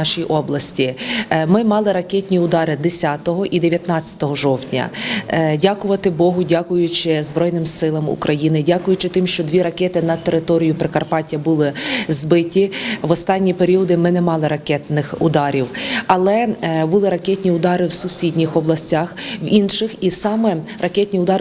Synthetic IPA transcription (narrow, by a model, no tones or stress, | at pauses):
ɑʃijʔɔblˠɐsʲtʲimɪmɑlˠɪɾɐkɛtʲnʲiʊd̪ɑɾɪd̪esʲat̪ɔɦɔʔid̪eʋʲjɐt̪nɑt͡sʲːɐ̥t̪ɔɦɔʒɔwtʲnʲɐ̰dʲakʊʋɐt̪ɪbɔɦʊdʲakʊjʊt͡ʃɪzbɾɔjnɪmsɪlˠɐmṵkɾʔɐjinɪdʲakʊjʊt͡ʃɪt̪ɪmʃt͡ʃɔd̪ʋʲiɾɐkɛt̪ɪnɐt̪eɾɪt̪ɔɾʲijʊpɾɪkɐrpɑtʲːɐbʊlˠɪzbɪtʲiʋɔst̪ɑnʲːipeɾʲiɔd̪ɪmɪnɛmɑlˠɪɾɐkɛt̪nɪxʊd̪ɑɾʲiwɐlˠɛbʊlˠɪɾɐkɛtʲnʲiʊd̪ɑɾɪwsʊsʲidʲnʲixɔblˠɐsʲtʲaxʋinʃɪxisɑmɛrɐkɛtʲnʲiʊd̪ɑɾ